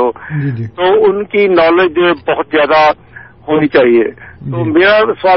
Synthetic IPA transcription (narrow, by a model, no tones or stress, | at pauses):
od͡ʒt̪oʊnkinɔled͡ʒebəɦʊt̪zjaːd̪a | hoːnit͡ʃaːɦiḛt̪omeːɾaswaː